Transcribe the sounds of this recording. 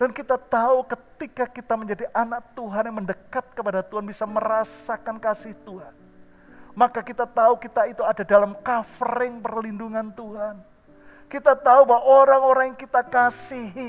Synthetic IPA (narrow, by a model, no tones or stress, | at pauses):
d̥ankit̪at̪aukət̪ikakit̪aməɲd͡ʒadiʔanak̚t̪uɦanjaŋməndəkat̪̚kəpadat̪uɦanbisaməɾasakankasɪht̪uɦan | makakit̪at̪aukit̪ait̪uadadalamkafɾɪŋpərlinduŋant̪uɦan | kit̪at̪aubawaʔoɾaŋoɾaŋjaŋkit̪akasiɦi